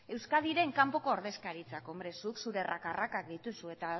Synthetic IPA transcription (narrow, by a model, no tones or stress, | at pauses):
e̞wskað̞iɾe̞ŋkampo̞ko̞ːɾðe̞skaɾit͡sako̞mbɾe̞suksuɾe̞rʔa̰karakak̚d̪it̪usue̞t̪a